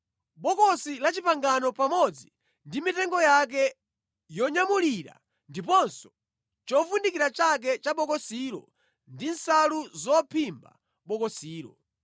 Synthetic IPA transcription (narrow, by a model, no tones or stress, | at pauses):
ɓɔkɔsilat͡ʃipaŋɡanɔpamɔd͡zi | ndimitɛŋɡɔjak̬ɛ | jɔɲamuliɾa̰ | ndipɔnsɔ̥ | t͡ʃɔfundikiɾat͡ʃak̬ɛt͡ʃaɓɔkɔsiɾɔ̰ | ndinsaluzɔpʰimba̰ | ɓɔkɔsiːɾɔ̰